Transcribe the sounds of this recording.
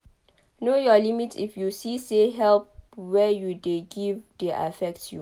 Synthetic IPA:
nojɔlimitḭfjusiseɦɛlp̚wɛjudeɡivdeʔa̰fɛk̚tʰjṵ

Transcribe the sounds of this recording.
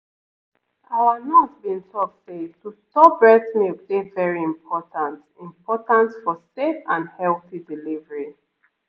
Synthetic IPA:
awanɔtbĩnsɔseftustɔbɹɛtnivdevɛɹiĩmpʰɔtãnt | ĩmpɔtãntfɔsefãndhɛlˠθidilivəɹi

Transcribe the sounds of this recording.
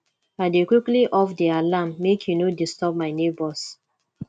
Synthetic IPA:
adekwikliʔɔfdialamːekʰjunodistɔb̚maɪnebɔs

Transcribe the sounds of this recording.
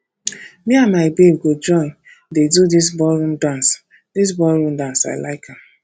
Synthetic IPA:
mianmaɪbeb̚ɡod͡ʒɔ̃ɪ̃n | dedudis̬bɔlɾũmdãns | dis̬bɔlɾũmdãnsa̰ɪlaɪkʰam

